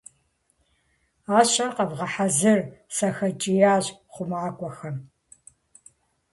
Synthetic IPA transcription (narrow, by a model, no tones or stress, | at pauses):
aːɕaqɐbʁɐħazɨrsɐxɐt͡ʃʼɪjaːʑχʷʊmaːkʷʼɔxɐm